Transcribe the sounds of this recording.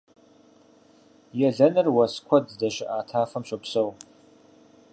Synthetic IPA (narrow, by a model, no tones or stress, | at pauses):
jɛɮɐnɨrwɐskʷʰɐddɐɕɪʔaːtʰaːfɐmɕʷʼɐpsow